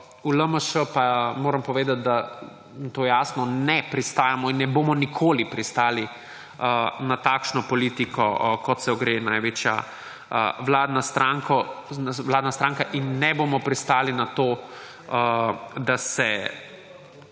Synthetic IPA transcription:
uləməʃəpamoːɾɐmpɔʋeːd̪at̪̚d̪a | nt̪oːjaːsnɔnɛpɾist̪aːjamɔinːɛboːmɔnikʰoːlipɾist̪aːli | ənat̪aːkʃnɔpɔliːt̪ikɔkɔt̪sɛɔɡɾeːnaːjʋeːt͡ʃja̰ | ə̰ʋlaːd̪nast̪ɾaŋkɔnʋlaːd̪nast̪ɾaːŋkaʔinːɛboːmɔpɾist̪aːlinat̪oː | d̪asɛ

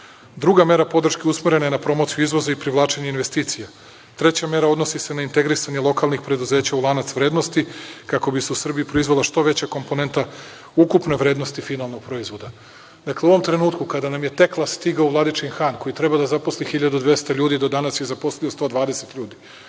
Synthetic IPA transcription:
d̪ɾuɡame̞ɾapo̞d̪r̩ʃkeusmeɾe̞najenapɾo̞mo̞t̪sijuizʋo̞zaipɾiʋlˠaːt͡ʃeɲeinʋe̞st̪iːt̪sija | t̪ɾe̞t͡ɕame̞ɾao̞d̪no̞sise̞naint̪e̞ɡɾisaɲelˠo̞kalˠnixpɾe̞d̪uze̞ːt͡ɕaulˠanat̪sʋɾeːd̪no̞st̪ikako̞biseusr̩bijipɾo̞izʋolˠaʃt̪o̞ʋe̞t͡ɕako̞mpo̞ne̞nt̪a | ukupne̞ʋɾeːd̪no̞st̪ifinalˠno̞ɡ̚pɾo̞izʋo̞d̪a | d̪akleuʋomt̪ɾe̞nuːt̪kukad̪anamje̞t̪e̞klˠast̪iɡauvlˠad̪it͡ʃinxanko̞jit̪ɾe̞bad̪azapo̞slixiʎad̪ud̪ʋje̞st̪aʎuːd̪id̪o̞d̪anasjezapo̞slijost̪o̞ːd̪ʋaːd̪e̞set̪ʎuːd̪i

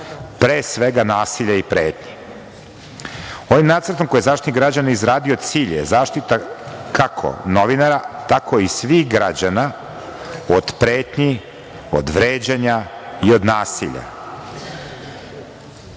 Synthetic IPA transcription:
pɾeːsʋeɡanaːsiʎaipɾeːt̪ɲi̥ | o̞ʋimnaːt̪sər̩t̪omkojezaːʃt̪it̪iɡɾad͡ʑanizɾaːd̪iod̪t̪siːʎḛzaːʃt̪it̪akakʰo̰noʋinaɾat̪ako̞isʋixɡɾad͡ʑana | od̪pɾeːt̪ɲi | o̰d̪ʋɾeːd͡ʑaɲaio̞d̪naːsiʎa̰

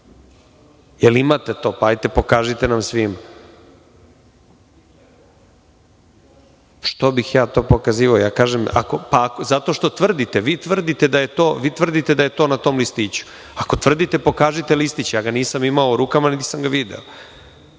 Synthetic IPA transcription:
jelimat̪et̪o̞ːpaajt̪epo̞kaːʒit̪enamsʋima | ʃt̪obixjaːt̪o̞ːpokaziːʋaojaːkaːʒema̰ko̞paːkozat̪o̞ʃt̪o̞t̪ʋr̩d̪it̪e̞ʋiːt̪ʋr̩d̪it̪e̞d̪aje̞t̪o̞ːʋiːt̪ʋr̩d̪it̪e̞d̪aje̞t̪o̞ːnat̪o̞mlist̪iːt͡ɕu̥ | ako̞t̪ʋr̩d̪it̪e̞po̞kaːʒit̪elist̪it͡ɕejaːɡaniːsamimaouɾukamanit̪i̥samɡaʋid̪ḛo

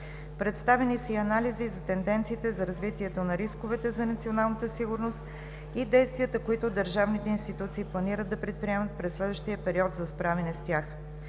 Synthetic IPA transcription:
pɾɛt̪st̪avɛnisəiɐnalizizɐt̪ɛnd̪ɛnt̪siːt̪ɛzɐɾɐzvit̪iɛt̪onɐɾiskovɛt̪ɛzɐnɐt̪sionalˠnət̪əsiɡʊɾnost̪ | id̪ɛjst̪viət̪əkoit̪od̪əɾʒavnit̪ɛinst̪it̪ut̪siːplˠɐniɾəd̪ɐpɾɛt̪̚pɾiɛmət̪̚pɾɛsːlɛd̪vəʃt̪ijəpɛɾiɔt̪zɐspɾavɛnɛst̪ʲjax

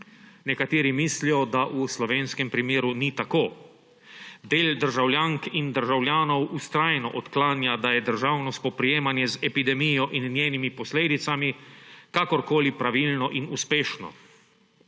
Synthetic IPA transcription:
nɛkat̪eːɾimislijɔd̪aʔuslɔʋeːnskɛmpɾimeːɾunit̪akoː | d̪eːld̪əɾʒawlʲjaːŋkind̪əɾʒawlʲjaːnɔwʔust̪ɾaːjnɔ̰ʔɔt̪klaːnjad̪ajɛd̪əɾʒawnɔskɔpɾijeːmanjɛzɛpid̪ɛmijɔʔinːjeːnimipɔsleːd̪it̪samikakɔɾkoːlipɾaʋilnɔʔinuspeːʃnɔ̰

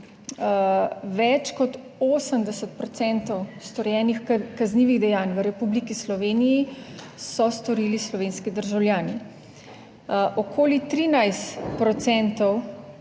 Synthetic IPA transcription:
ʋɛt͡ʃkɔt̪ | oːsəmd̪ɛsət̪̚pɾɔt̪sɛnt̪ɔwst̪ɔɾjɛːnixkazniːʋiɣd̪ɛjaːnʋəɾɛpublikislɔʋeːniji | sɔst̪ɔɾiːlislɔʋeːnskid̪əɾʒawlʲjaːni | ʔɔkʰoːlit̪ɾiːnajst̪pɾɔt̪sɛnt̪ɔw

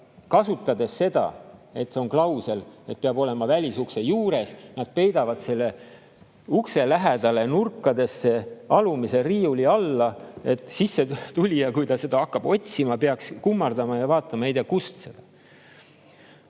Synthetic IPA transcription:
kɑsut̪ːˑɑd̪e̞sːe̞d̪̥ɑ̰e̞t̪seo̞ŋklɑwse̞le̞t̪̚peɑbo̞le̞mɑvælʲisukse̞juːɾe̞snɑd̪̥̚pe̞jd̪ɑvɑd̪se̞lːe̞ | ukse̞læɦed̪̥ɑlenurkːɑd̪e̞sːe̞ɑlumise̞riːuliɑlːɑe̞t̪ːˑsisːet̪ulʲijɑkujt̪ɑse̞d̪̥ɑɑkːɑb̥o̞tʲsimɑpeɑkskumːɑrd̪ɑmɑjɑvɑːt̪ːˑɑmɑejt̪eɑkust̪se̞d̪̥ɑ

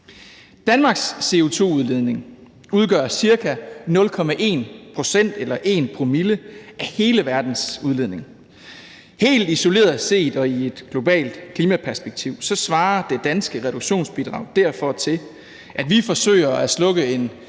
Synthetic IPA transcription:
d̥ænmɑ̈ɡ̥sːe̝o̝t͡sʰo̝̰ːuð̞ˠle̝ð̞ˠne̝ŋ | uð̞ˠɡ̥ɶɐ̰siɐkʰænɔ̽lkʰɒ̽mæʔe̝̰ːnpʰʁo̝sen̰d̥elɐʔe̝̰ːnpʰʁomiləʔæhe̝ːləʋæɐd̥n̩suðˠle̝ðˠne̝ŋ | he̝̰ːld̥iso̝le̝̰ːɐðˠse̝̰ːd̥ɒ̽ie̝d̥ɡ̥lo̝b̥ɛ̰ːld̥kʰliːmæpʰæɐsb̥eɡ̥̚t͡sʰiʊ̰sɒ̽sʋɑ̈ːd̥e̝d̥ænsɡ̥əʁɛd̥uɡ̥ɕo̝̰ːnsb̥id̥ʁɑ̈ʊ̰d̥æɐ̰fɒ̽t͡sʰe̝l | ʔæd̥ʋifɒ̽sø̰ɪɐæslɔ̽ɡ̥əe̝n

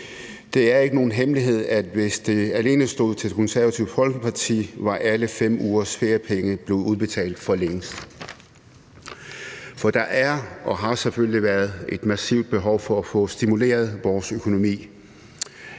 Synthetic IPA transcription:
d̥e̝æɐe̝ɡ̥əno̝ːn̩ɦemliɦe̝ð̞̰ˠæd̥ʋe̝sd̥e̝æle̝ːnəsd̥o̝ːð̞̩̰ˠt͡sʰe̝̥kʰɒ̽nsæɐʋæt͡sʰiʊ̥fɒ̽lɡ̥̩pʰɑ̈t͡sʰḭːʋɑ̈ʔæləfem̰uːɐsfe̝ɐpʰeŋəb̥le̝uð̞ˠb̥e̝t͡sʰɛ̰ːld̥fɒ̽leŋəsd̥ | fɒ̽d̥ɑ̈ʔæɐʔɒ̽ɦɑ̈sefølliʋæːɐðˠe̝d̥mæsiʊd̥̚b̥e̝ɦɒ̽ʊfɒ̽æfɔ̽sd̥imule̝̰ːɐð̞ˠʋɒːsøkʰo̝no̝mḭː

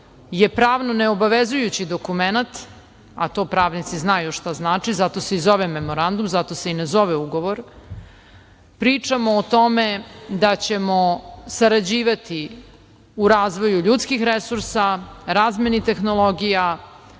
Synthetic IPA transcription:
jepɾaːʋnoneobaʋezujut͡ɕid̪o̞kumenat̪ | a̰t̪o̞ːpɾaːʋnit̪siznajuʂt̪aznaːt͡ʂizat̪o̞seizo̞ʋeme̞mo̞ɾand̪umzat̪o̞se̞inezo̞ʋeuɡo̞ʋo̞ɾ | pɾiːt͡ʂamoːt̪o̞med̪at͡ɕe̞mosaɾad͡ʑiːʋat̪i | uɾaːzʋo̞juʎut̪skixɾesuɾsaɾaːzmenit̪e̞xno̞lo̞ɡija

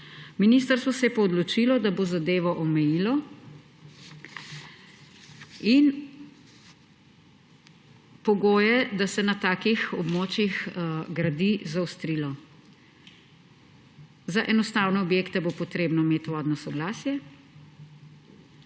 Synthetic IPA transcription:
miniːst̪əɾst̪ʋɔsɛjɛpɔːd̪lɔt͡ʃilɔd̪abozad̪eːʋɔʔɔmɛjilɔ | in | pɔɡoːjɛd̪asɛnat̪aːkixɔbmoːt͡ʃjixɡɾad̪izawst̪ɾiːlɔ | zaʔɛnɔst̪aːwnɛɔbjeːkt̪ɛbopɔt̪ɾeːbnɔimeːt̪ʋɔd̪nɔsɔɡlaːsjɛ

